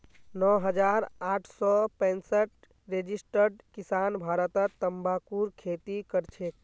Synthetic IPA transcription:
nɔɦəd͡ʒaɾaʈʰsɔpɛ̃nsəʈ̚ | ɾed͡ʒisʈəɾɖkisanbʱaɾət̪ət̪ːəmbakuɾkʰet̪ikəɾt͡ʃʰe

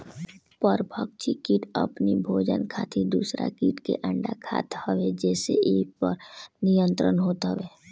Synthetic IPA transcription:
pəɾbʱək̚t͡ʃikiːʈɐ̰pnibʱoːd͡ʒə̰nkʰaːt̪ʰid̪uːsɾa̰kiːʈkḛʔə̃ɳɖakʰa̰ːt̪əʋed͡ʒɛːseeːpəɾnijə̃nt̪ɾənɦoːt̪ɦəʋeː

